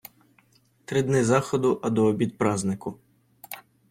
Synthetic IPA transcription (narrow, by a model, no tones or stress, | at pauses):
t̪ɾɪd̪nɪzɑxɔd̪ʊʔɐd̪ɔːbʲid̪̚pɾɑznɪkʊ